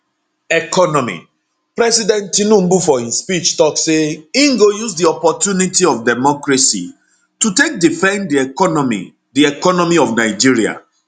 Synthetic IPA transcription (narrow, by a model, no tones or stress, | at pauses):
ɛkɔnɔmḭ | pɾɛsidɛ̃ntinũm̩bufɔhĩnspit͡ʃtɔkseĩŋɡojusdiɔpɔtjunitiɔfdɛmɔkɹasḭ | tutek̚difɛ̃ndiɛkɔnmḭ | diɛkɔnɔmiɔvnaɪd͡ʒiɹia̰